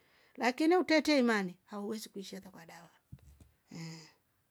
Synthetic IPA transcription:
lakiniutɛtɛimanihauwɛzikuiʃiaðakwaɗawa | ɛ

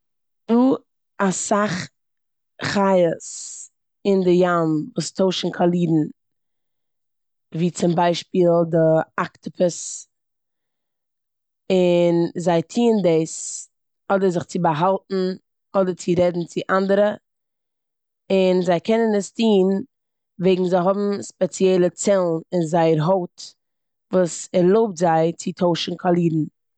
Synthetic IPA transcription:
duː | asaχ | χajəs | ɪndɪjanvuːstʰoʊʃn̩kʰalˠiːdn̩ | viːt͡sɪmbaɪʃpiːlˠdɪaktɪpʰʊs | ɪnzaɪtʰiːndeɪs | ɔdəɾzɪχt͡sɪbəɦalˠtn̩ | ɔdəɾt͡sɪɾɛdn̩t͡sɪʔandəɾə | ɪnzaɪkʰɛnənəstʰiːn | veɪɡŋ̩zaɪɦɔbm̩spɛt͡sjɛlˠət͡sɛlˠnɪnzaɪəɾɦoʊt | vuːsɛɾlˠoʊp̚tzaɪt͡sɪtʰoʊʃn̩kʰalˠiːdn̩

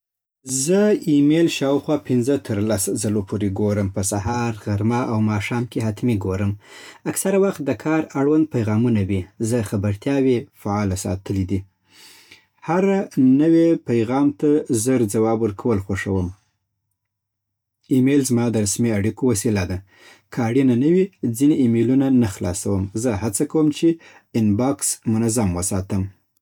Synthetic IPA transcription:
zəimelʃɑwxwɑpɪnzət̪ʰəɾlaszalopʰoɾeɡoɾəmpəsahɑɾɣaɾmaʔawmɑʃɑmkeɦat̪miɡoɾəmaksaɾawaxt̪̚d̪əkʰɑɾaɽwand̪̚pajɣɑmunawizəxabəɾt̪jɑwefaɑlasɑ̰t̪ʰəlid̪i | haɾanəwepajɣɑmt̪azəɾd͡zawɑbwəɾkʰawəlxoʂəwəm | imelzmɑd̪əɾasmeaɽikowasilad̪a | kʰəaɽinanəwid͡zineʔimelunanaxlɑ̰sawəmzəhat͡sakawəmt͡ʃe | ɪnbɑksmʊnazamwəsɑt̪əm

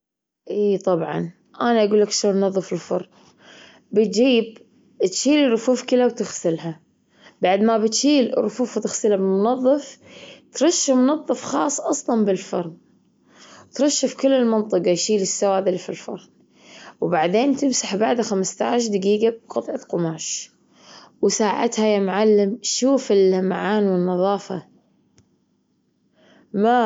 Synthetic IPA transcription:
ʔiːt̪ˤɑbʕɑ̰n | ʔanaʔaɡuːlːakʃoːnmʊnɑðˤːɨfɪlfɑɾˤn | bɪt̪̚d͡ʒiːb̚ | t̪ʃiːliɾˤʊfuːfkɪlawt̪ɪxsɪlɦa | baʕd̪mabɪt̪ʃiːl̰rˤːʊfuːfwt̪ɪxsɪlabɪlmʊnɑðˤːɨft̪ɾˤɑʃːamʊnɑðˤːɨfxɑːsˤːʔɑsˤlɑnbɪlfɑɾˤn | wt̪ɾˤɑʃːɪfkɪlːɪlmɑnt̪ˤɨqɑjʃiːlɪsːawaːd̪ɪlfilfɑ̰ɾˤn | wbaʕd̪eːnt̪ɪmsaħbaʕd̪axamst̪aːʃ̬d̪ɪɡiːɡab̚qɑt̪ˤʕɑqʊmaːʃ | wsaːʕa̰t̪hajamʊʕalːɪmʃuːfɪlmaʕaːnwɪnːɑðˤɑːfɑ̰ | ma

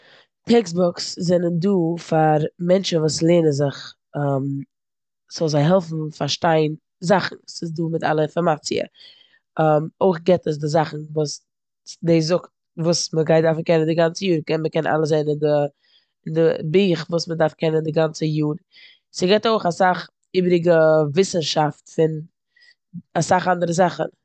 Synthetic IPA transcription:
tʰɛksbɔkszɛnənduːfaɾmɛnt͡ʃənvuːslˠeːnənzɪχ | am | z̥ɔlˠzaɪɦɛlˠfn̩faɾʃtaɪn | zaχn̩sɪsduːmɪta̰lˠəɪnfɔɾmat͡siə̰ | amoɪχɡɛtəs̬dɪzaχn̩vuːs | deɪzʊkt̚ | vuːsməɡaɪdaɾfn̩kɛnəndɪɡant͡səjuːɾkɛnməkɛnʔa̰lˠəszaɪnɪndə | ɪndɪbiːχvuːsmədaɾfkʰɛnəndɪɡant͡səjuːɾ | sɪɡɛtoɪχasaχ | iːbɾɪɡəvɪsn̩ʃaftfɪn | asaχandəɾəzaχən

